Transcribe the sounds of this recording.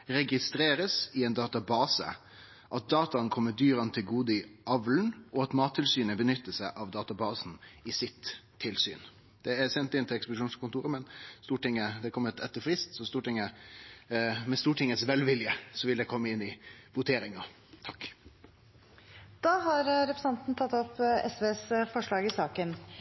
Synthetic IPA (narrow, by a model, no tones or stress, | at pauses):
ɾɛɡɪst̪ɾeːɾəsɪɛɪnd̪ɑːt̪ɑbɑːsə̰ | ʔɑt̪̚d̪ɑːt̪ɑənkʰɔmːəd̪yːɾɑnt̪ʰɪlɡuːd̪ɪʔɑʋln̩ʔɔɑt̪mɑːt̪ʰːɪlsyːnəbənʏt̪ːəsæɪʔɑʋd̪ɑːt̪ɑbɑːsnɪsɪt̪ʰː | ɪlsy̰ːn | d̪̥ɛæsɛnt̪ɪnt̪ʰɪlɛkspʊd̪ɪʃuːnskʰʊnt̪uːɾəmɛnst̪uːʈɪŋːəd̪ɛkʰɔmːət̪ʰɛt̪ːəɾfɾɪst̪sɔst̪uːʈɪŋːə | mɛst̪uːʈʰɪŋːət̪sʋɛlʋɪljəsɔʋɪld̪ɛkʰɔmːəɪnːɪʋʊt̪ʰeːɾɪŋɑ | t̪ʰɑk | d̪̥ɑːɦɑɾɾɛpɾə̥sɑnt̪n̩t̪ʰɑt̪ːɔpːɛ̰sʋeːsfɔʂɭɑːɡɪsɑːkən